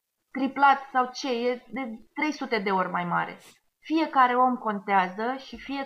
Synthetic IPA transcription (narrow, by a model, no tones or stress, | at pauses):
t̪ɾiplat̪sawt͡ʃe̞jed̪e̞t̪ɾe̞jsut̪e̞d̪e̞o̞rʲmajma̰ɾʲe̞̰ | fije̞kaɾe̞o̞mko̞nt̪eazəʃifije̞